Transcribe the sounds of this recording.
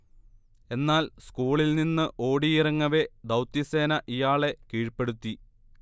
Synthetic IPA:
e̞nːaːlskuːɭilninːɨʔo̞ːɽiirɐŋːɐʋe̞d̪ɐwt̪ːise̞ːnɐʔijaːɭe̞kiːɻpːe̞ɽut̪ːi

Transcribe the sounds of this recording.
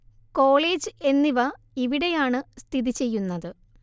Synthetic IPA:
ko̞ːɭeːd͡ʑɨe̞nːiʋɐ | iʋiɽe̞jaːɳɨst̪ʰiðit͡ɕe̞jːunːɐðɨ

